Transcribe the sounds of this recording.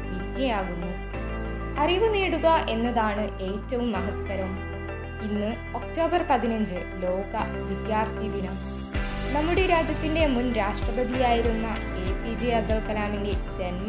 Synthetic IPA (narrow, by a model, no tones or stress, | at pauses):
ʋid̪jɐjaːɣunːu | ɐriʋɨneːɽuɣɐʔe̞nːɐðaːɳɨʔe̞ːtːɐʋumːɐɦɐt̪ːɐɾɐm | inːɨ | o̞k̚to̞ːbɐrpɐðinɐɲd͡ʑɨ | lo̞ːɣɐ | ʋid̪jaːrt̪ʰid̪inɐm | nɐmːuɽeɾaːd͡ʑjɐt̪ːinde̞munɾaːʂʈrɐbɐd̪ʱijaːjiɾunːɐ | e̞pid͡ʑeɐd̪ːɐɭkɐlaːminde̞d͡ʑe̞nm